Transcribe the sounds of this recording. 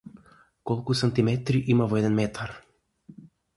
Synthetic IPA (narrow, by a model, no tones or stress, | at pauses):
kɔlˠkusant̪imɛt̪ɾiʔimavoɛd̪ɛnmɛt̪ʰaɾ